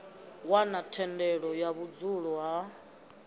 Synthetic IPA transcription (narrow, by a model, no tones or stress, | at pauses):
wanatʰɛndɛɺɔjaβud͡zuɺɔɦa